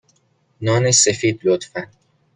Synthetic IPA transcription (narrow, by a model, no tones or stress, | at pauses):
nɒːnesefiːd̪̚lot̪fæn